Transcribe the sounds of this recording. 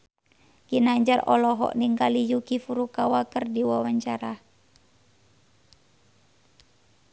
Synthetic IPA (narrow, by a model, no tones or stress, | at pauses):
kinaɲd͡ʒarɔ̰lɔɦɔ̰ʔniŋkalijukifuɾukawakərdiwawaɲt͡ʃaɾa